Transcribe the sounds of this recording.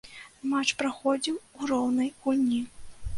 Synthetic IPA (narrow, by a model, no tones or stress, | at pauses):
mat͡ʂpɾaxɔd͡zʲiwurɔwnɐjkulʲnʲi